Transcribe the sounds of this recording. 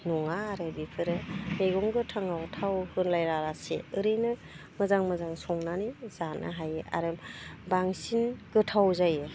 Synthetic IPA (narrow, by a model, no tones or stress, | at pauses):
nɔŋaːɾɯbipʰɯɾɯneɡɔŋɡɯtʰaŋawtʰawhɯnlajɾaɾaseɯɾɯjnɯ | mɯzaŋmɯzaŋsɔŋnaniz̥anɯ̰ɦajea̰ɾɯbaŋsinɡ̥ɯtʰawzajɯ